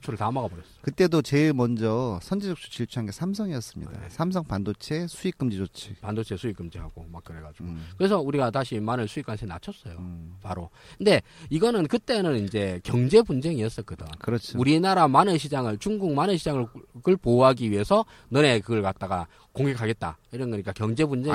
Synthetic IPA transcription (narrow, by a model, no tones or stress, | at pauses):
t͡ɕʰuɾɯɭtamaɡabʌɾjʌs͈ʌ̥kɯt͈e̞dot͡ɕe̞ɭmʌnd͡ʑʌsʰʌnd͡ʑid͡ʑʌk̚t͡ɕʰu̥t͡ɕiɭt͡ɕʰuɦanɡe̞sʰams̬ʰʌŋiʌs͈ɯmɲḭdda̰sʰamsʰʌŋpandot͡ɕʰe̞sʰuik͈ɯmd͡ʑid͡ʑot͡ɕʰi̥pandot͡ɕʰe̞sʰuik͈ɯmd͡ʑiɦaɡ̥omak͈ːɯɾe̞ɡad͡ʑiɡokɯɾe̞sʰʌuɾiɡataɕʰimanɯɭsʰuikwant͡ɕʰena̰t͡ɕʰʌs͈ʌjopaɾo | ɯnde̞iɡʌnɯnkɯt͈e̞nɯnind͡ʑe̞kjʌŋd͡ʑe̞bund͡ʑe̞ŋiʌs͈ʌk͈ɯdakɯɾʌt͡ɕʰuɾinaɾamanɯɕʰid͡ʑaŋɯɭt͡ɕuŋɡuŋmanɯnɕʰid͡ʑaŋɯɭkɯɭpoɦaɡiɥie̞sʰʌ | nʌne̞kɯɡʌɭkat̚t͈aɡa | koŋɡe̞kʰːaɡe̞t̚t͈a̰iɾʌnɡʌɲik͈akjʌŋd͡ʑe̞bund͡ʑe